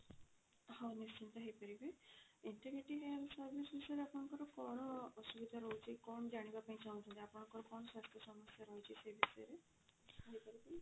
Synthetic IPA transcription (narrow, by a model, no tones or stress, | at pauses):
hawnist͡ʃʰint̪ɔɦejpɔɾibajiɳʈiɡɾeʈiɦealsɔɾbʱisbʱisɔjɾeapɔɽ̃ɔ̃ŋkɔɾɔkɔɽ̃ɔːsubid̪ʱaɾɔɦut͡ʃʰikɔɳ̃ɔd͡ʒaɽ̃ibapaĩt͡ʃaɦũnt̪ʰunt̪iapɔɽ̃ɔ̃ŋkɔɾɔkɔɽ̃ɔswast̪ʰɔsɔmɔsjaɾɔɦwt͡ʃʰisebʱisɔjɾe | ɦejpɔɾipai